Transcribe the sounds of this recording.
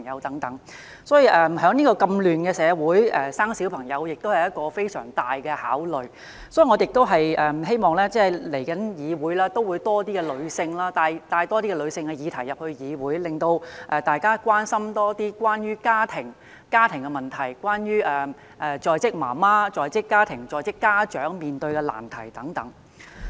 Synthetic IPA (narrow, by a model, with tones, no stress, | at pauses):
ŋjɐ˨˧wt̪ɐ˨˥ŋt̪ɐ˨˥ŋ | sɔː˨˥ji˨˧ʔɛ˨˧mɦœː˨˥ŋniː˥kɔː˧kɐ˧mlyː˨nkɛː˧sɛː˨˧wuː˨˥jɛː˨˧saː˥ŋsi˨˥wpʰɐ˨˩ŋjɐ˨˧wjɪ˨k̚t̪o˥whɐ˨jɐ˥t̚kɔː˧fe˥jsœ̰ː˨˩ŋt̪aː˨jkɛ˧ha̰ː˨˥wlɵ˨ɥ | sɔ˨˥ji˨˧ŋɔː˨˧jɪ˨k̚t̪o˥wɦɐ˨jɛː˨ɦe˥jmɔː˨ŋlɛː˥t͡sɛː˥˩le˨˩jkɐ˨˥njiː˨˧wuː˨˥jlaː˥t̪o˥wuː˨˧jt̪ɔː˥t̪iː˥kɛ˧lɵ˨˧ɥsɪ˧ŋlaː˥t̪aː˨˧jt̪aː˧jt̪ɔː˥t̪iː˥kɛ˧lɵ˨˧ɥsɪ˧ŋkɛ˧jiː˨˧t̪ʰɐ˨˩jɐ˨p̚hɵ˧ɥjiː˨˧wuː˨˥jlɪ˨ŋt̪o˧wʔɛ˧t̪aː˨jkaː˥kʷwaː˥nsɐ˥mt̪ɔː˥t̪iː˥kʷwaː˥njyː˥kaː˥t̪ʰɪ˨˩ŋ | kaː˥t̪ʰɪ˨˩ŋkɛ˧mɐ˨˩nt̪ʰɐ˨˩jkʷwaː˥njyː˥ʔɛ˨ | ʔɛ˨˧t͡sɔː˨jt͡sɪ˥k̚ma̰ː˨˩maː˥t͡sɔː˨jt͡sɪ˥kːaː˥t̪ʰɪ˨˩ŋt͡sɔː˨jt͡sɪ˥kːaː˥t͡ʃœː˨˥ŋmiː˨nt̪ɵ˧ɥkɛ˧la̰ː˨˩nt̪ʰɐ˨˩jt̪ɐ˨˥ŋt̪ɐ˨˥ŋ